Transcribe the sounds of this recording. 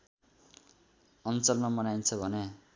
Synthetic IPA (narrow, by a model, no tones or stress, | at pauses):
ʌnt͡sʌlnʌmʌnajnt͡sʰʌbʱʌne